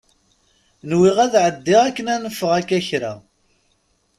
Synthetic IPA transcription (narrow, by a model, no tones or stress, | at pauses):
nwiʁæðʕəd̪ːɪʁækːənænəfːəʁækːæçɾæ